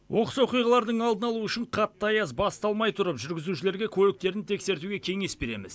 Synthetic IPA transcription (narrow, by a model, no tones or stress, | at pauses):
wʔo̞qəswo̞qijʁɑlˠɑɾd̪əɴɑlˠd̪ənɑlˠuʏʃɪɴqʰɑt̪ːɑjɑsbɑst̪ɑlˠmɑjt̪ʰʊɾəpʒʏɾɡʲɪzuʃɪle̞ɾɡʲe̞kʲʰɵlɪk̚t̪e̞ɾɪnt̪ʰe̞kse̞ɾt̪uɡʲe̞kʲʰe̞ŋe̞sbe̞ɾe̞̰mɪ̰z